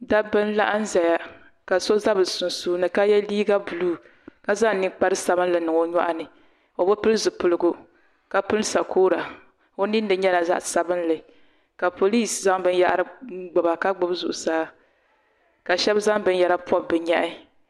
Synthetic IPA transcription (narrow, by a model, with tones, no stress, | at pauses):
da˦bɨ˦n˦la˦ʔa˦n̩˦zɛ˨ja˨ | ka˨so˦za˦bɨ˨sʊ˨n˨suː˦nɨ˨ka˦jɛ˦liː˦ɡa˦bu˨luː˦˨ | ka˦za˦ŋ˨ni˦k͡pa˦ɾɨ˦sa˨bɨ˦n˦lɨ˨nɨ˨ŋo˨ɲɔ˦ʔa˦nɨ˨ | o˨bo˦pɨ˦lɨ˦zɨ˨pʊ˨lɨ˦ɡʊ˨ | ka˦pɨ˦lsa˨kʰoː˦ɾa˨ | o˦ni˦n˦dɨ˨ɲɛ˦la˨za̰˦ʔsa˨bɨ˦n˦lɨ˨ | ka˨po˨li˦˨sza˦ŋbɨ˦n˦ja̰˦ʔɾɨ˦ɡ͡bʊ˨ba˨ka˦ɡ͡bʊ˦bzu˨ʔʊ˨saː˦ | ka˨ʃɛ˦bza˦ŋbɨ˦njɛ˨la˦pʰɔ˦bːɨ˨ɲa˦ʔɪ˦